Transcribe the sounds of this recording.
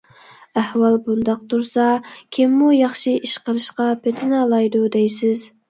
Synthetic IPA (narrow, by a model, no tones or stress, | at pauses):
æhwɑlˠbund̪ɑq̚t̪uɾsɑkʲʰɪmːujɑχʃiʔiʃqəɾɨʃqɑpʰet̪ʰɪnɑlˠɑjd̪ud̪ɛjsɪz